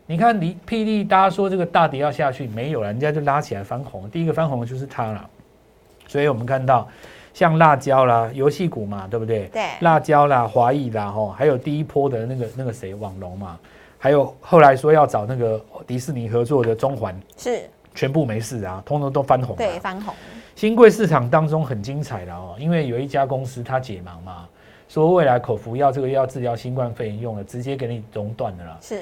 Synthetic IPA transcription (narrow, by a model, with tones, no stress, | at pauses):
ni˨˩kʰa˥˩˨nli˧˦pʰi˥˧li˥˧t̪a˥˧˩t͡ɕa˥ʂwɔ˥ʈ͡ʂɤ˥˩ɡə˩t̪a˥˧t̪ji˨˩jɑ˥˧ɕja˥˧t͡ɕʰy˥˩me˧˦ɪjo˨˩ʊlə˨n˨˩t͡ɕja˥t͡ɕjo˥˧ʊla˦˥t͡ɕʰi˨˩la˨˧˦ɪfa˦˥nxʊ˨˦ŋt̪i˥˧i˦˥ɡə˨fa˥nxʊ˧˦ŋ˧t͡ɕjo˥˧ʊʂ̬̩˥˩t̪ʰa˥la̰˨ | swɔ˧˥i˨wɔ˨˩mə˨˦nkʰa˥˧nt̪ɑ˥˩ʊɕjɑ˥˧ŋla˥˧t͡ɕjɑ˥˦ʊla˨jo˧ʊɕi˥˩ku˨˩ma˨t̪we˥˧bu˨t̪we˥˩ɪla˥˧˩t͡ɕjɑ˥˦ʊla˨xwa˧˥i˥˩la˨xɔ˥˩xa˧˥ɪjo˨˩ʊt̪i˥˨i˥pʰwɔ˥d̪ə˨na˥˩ɡə˩na˥˩ɡə˩se˧˩ɪwɑ˨˩ŋlʊ˨˧˥ŋma˨ | ha˧˥ɪjo˨˩ʊxo˥˩ʊla˧˦ɪʂwɔ˥jɑ˥˩ʊʈ͡ʂɑ˨˩ʊna˥˩ɡə˩t̪i˧˥sɹ̩˥˩ni˨˩xɤ˧˦t͡swɔ˥˩d̪ə˩t͡sʊ˥ŋxwa˧˦nʂ̩˥˩ | t͡ɕʰɥɛ˧˦npu˥˩me˧˥ɪʂ̩˥˩a˨˩t̪ʰʊ˥ŋt̪o˧˥ŋt̪o˥ʊfa˦nxʊ˨˩˦ɕi˥nkwe˥˧ɪʂɻ̩˥˩ʈ͡ʂʰɑ˨˩ŋt̪ɑ˥ŋt͡sʊ˦ŋxə˨˩nt͡ɕi˦ŋt͡sʰa˨˩ɪlə˨xɔ˥˨i˦nwe˥˩ɪjo˨˩ʊi˥˩t͡ɕja˦˥kʊ˦ŋs̩˦˥t̪ʰa˦t͡ɕjɛ˨˩mɑ˨˦ŋma˨ | swɔ˥we˥˩ɪla˧˦ɪkʰo˨˩ʊfu˨˥jɑ˥˧ʊʈ͡ʂɤ˥˩ɡə˨˧jɑ˥˧ʊt͡sɹ̩˥˧ljɑ˥˩ʊɕi˦nkwa˥˧nfe˥˩ɪjə˧˦njʊ˥˩ŋd̪ə˩ʈ͡ʂɻ̩˧˦t͡ɕjɛ˦˥k̬e˧˥ɪni˨˩lʊ˧˥ŋt̪wa˥˨nd̪ə˩lə̰˩˥˨